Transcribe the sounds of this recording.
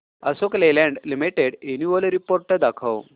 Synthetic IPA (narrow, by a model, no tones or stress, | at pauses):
əsoklelɛ̃ɳɖlimiʈeɽenuʋəlɾipoɾʈːəd̪akʰəw